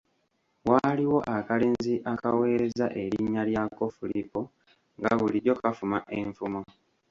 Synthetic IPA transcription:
waːliwo̞ʔakale̞ːnziʔakawe̞ːɾe̞zaʔe̞ɾiɲːaljako̞fulipo | ŋɡaβuliɾjo̞kafumaʔeɱfumo

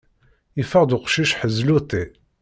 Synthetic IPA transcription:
ifəʁd̪uqʃiʃħəzlut̪i

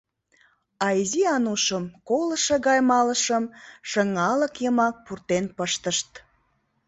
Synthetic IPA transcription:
ɑiziɑnuʃəmkoləʃĕɣɑjmɑləʃəmʃəŋɑləkjəmɑk̚purt̪enpəʃt̪əʃt̪

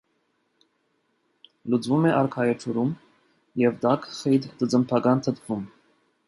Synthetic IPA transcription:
lut͡svumɛʔɑɾkʰɑjɛt͡ʃʰuɾum | jɛvd̪ɑkʰχɛd̪d̪ət͡səmpʰɑkɑnt̪ʰət̪ʰvum

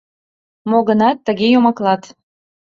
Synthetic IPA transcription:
moɣənɑt̪ːə̆ɣejomɑklɑt̪

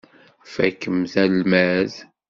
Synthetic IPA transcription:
fæ̰kːəmθælmæð

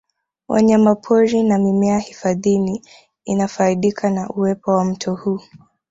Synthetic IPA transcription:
wʔa̰ɲamapʰɔɾinamimɛahifaðini | inafaiɗikʰanaʔuwɛpɔwam̩tʰɔhuː

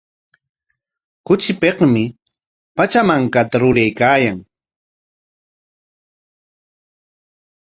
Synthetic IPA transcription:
kʊt͡ʃɪpeqmɪ | pat͡ʃamaŋkat̪aɾʊɾajkaːjaŋ

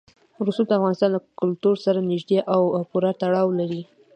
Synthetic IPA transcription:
ɾusud̪əafɣɑnɪst̪ɑnləkʊlt̪uɾsaɾanɪʒd̪eʔawpuɾat̪aɽɑwlaɾi

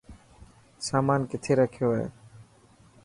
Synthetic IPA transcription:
saːmaːnkɪt̪ʰeːɾəkʰjoːḛː

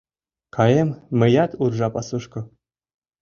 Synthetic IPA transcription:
kʰɑjemmɘ̆jɑt̪urʐɑpɑsɤʂkɤ̆

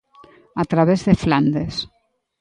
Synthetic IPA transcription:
at̪ɾaβezðefland̪es

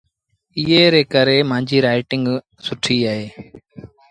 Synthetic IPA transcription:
ɪɦeːɾeːkəɾeːmãːɲd͡ʒʱiːɾaːɪʈɪŋɡ | sʊʈʰiːaːɦeː

